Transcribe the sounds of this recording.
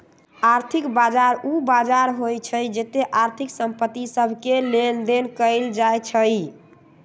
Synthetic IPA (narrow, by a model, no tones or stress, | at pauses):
aɾt̪ʰikbad͡ʒaɾubad͡ʒaɾɦojt͡ʃʰəjd͡ʒet̪eʔaɾt̪ʰiksəmpət̪ːisəbʱkelend̪enkəɪld͡ʒajt͡ʃʰəj